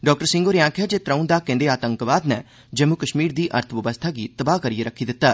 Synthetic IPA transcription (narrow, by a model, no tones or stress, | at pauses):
ɖɔːk̚ʈəɾsɪ̃ŋɡoːɾɪjãːkʰɛːd͡ʒeːt̪ɾaũːd̪aːkɛ̃nd̪eːaːt̪ə̃ŋkʋaːd̪nɛː | d͡ʒəmːukəʃmiːɾd̪iːʔəɾt̪ʰʋəbəst̪ʰaːɡiːt̪əbaːkəɾiːeɾəkʰiːd̪ɪt̪ːaː